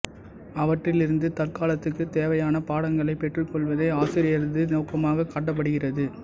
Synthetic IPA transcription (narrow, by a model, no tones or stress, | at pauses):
ɐʋɐʈrɪlɪɾɯnd̪ɯt̪ɐrkaːlɐt̪ːɯkːɯt̪eːʋɐjaːnɐpaːɽɐŋɡɐɭɐɪpːɛʈrɯkːɔɭʋɐðɐɪaːsɪɾɪjɐɾðɯnɐːkːɐmaːɣɐkaːʈːɐp̬ːɐɽɯɣɪrɐðɯ